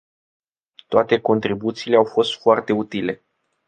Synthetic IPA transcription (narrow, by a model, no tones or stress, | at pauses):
t̪oat̪e̞ko̞nt̪ɾibut̪siːle̞awfo̞st̪foart̪e̞ut̪ile̞